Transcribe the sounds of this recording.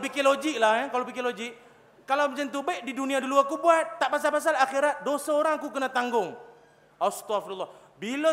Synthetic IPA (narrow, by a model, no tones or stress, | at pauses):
pikilod͡ʒɪk̚lahjakalopikilod͡ʒɪk̚ | kalawmat͡ʃant̪ubɛʔdiduniaduluakubuat̪̚ːaʔpas̬alpas̬alaxiɾat̪̚dosaoɾaŋakukənat̪aŋɡʊŋ | ast̪ɔafdulːa | bilə